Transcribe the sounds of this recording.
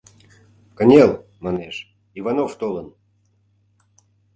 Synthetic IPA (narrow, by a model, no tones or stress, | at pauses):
kənʲelˠmaneʃ | ivanoft̪olən